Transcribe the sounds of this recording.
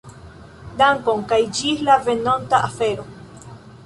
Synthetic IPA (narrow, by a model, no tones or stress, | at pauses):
d̪aŋkoŋkajd͡ʒilavenont̪aʔafe̞ɾo